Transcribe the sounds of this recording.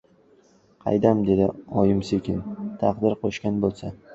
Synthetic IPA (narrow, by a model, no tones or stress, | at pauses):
qʰɑ̰jd̪amd̪e̞d̪ɪɒjɪmsekʲɪnt̪ʰɑqd̪ɪɾqʰoʃkʲanbolˠsa